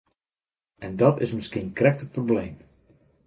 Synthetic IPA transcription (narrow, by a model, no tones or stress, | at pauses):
ɛndɔtɪ̰smɪskinkrɛk̚tət̚probleːm